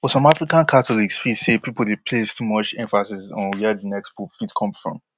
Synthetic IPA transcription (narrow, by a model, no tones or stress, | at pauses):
fɔsɔ̃mafɹikãnkʰatɔliksfitsepipl̩ˠdepʰlestʰumɔt͡ʃɛ̃ɱfasisɔ̃nwɛdənɛkspufitkʰɔ̃msfɹɔ̰̃m